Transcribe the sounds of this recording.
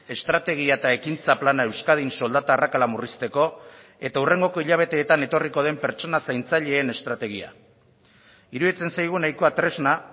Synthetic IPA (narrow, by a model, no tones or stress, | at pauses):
e̞st̪ɾat̪e̞ɣ̞iaet̪ae̞kint͡saplanae̞wskað̞inso̞ld̪at̪aːrakalamurist̪e̞ko̞ | e̞t̪aure̞ŋɡo̞ko̞iʎaβ̞e̞t̪e̞ːt̪ane̞t̪o̞riko̞ð̞e̞mpe̞ɾt͡ʃo̞nasajnt͡saʎe̞ːne̞st̪ɾat̪e̞ɣ̞ia̰ | iɾuðit͡se̞nsajɣ̞unajko̞at̪ɾe̞zna